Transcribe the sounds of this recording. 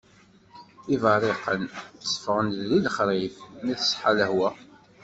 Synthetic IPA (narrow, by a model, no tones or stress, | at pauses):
ivɑrˤeqənθsə̥fʁənliləχɾifmiθə̥sħaləhwæ